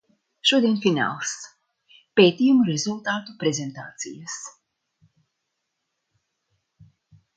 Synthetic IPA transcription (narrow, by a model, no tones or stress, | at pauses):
ʃuɔd̪iɛnfina̰ːlˠs | peːt̪ijumuɾezulˠt̪aːt̪upɾezent̪a̰ːt̪sḭjas